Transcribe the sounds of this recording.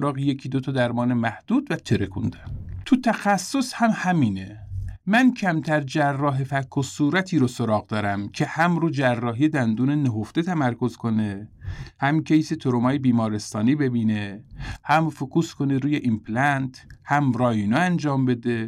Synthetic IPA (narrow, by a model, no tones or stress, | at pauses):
ɾɒːɣijecʰiːd̪ot̪ʰɒd̪æɾmɒːnemæhd̪̥uːd̪væt̪ʰeɾekʰṵnd̪æ̥mt̪ʰut̪ʰæxæsːo̞shæmhæmiːnemæncʰæmt̪ʰæɾd͡ʒærːɒːɦe̞fækʰːosuːɾæt̪ʰiːɾosoɾɒːɣd̪ɒːɾæmcʰe̞hæmɾud͡ʒærːɒːɦijed̪ænd̪uːneneɦoft̪et̪ʰæmæɾko̞zkʰo̞nehæmkʰeiset̪ʰoɾomɒːjebiːmɒːɾest̪ɒːniːbe̞biːnehæmfokʰuːskʰoneɾuːjeʔimpʰlænt̪hæmɾɒːjinoænd͡ʒɒːmbe̞d̪e